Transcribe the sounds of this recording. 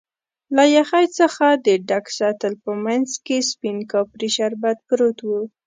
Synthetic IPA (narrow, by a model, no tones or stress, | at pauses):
lajaxajt͡səxad̪əɖaksɑt̪əlpəmanzkespinkɑpɾiʃaɾbat̪̚pɾot̪wu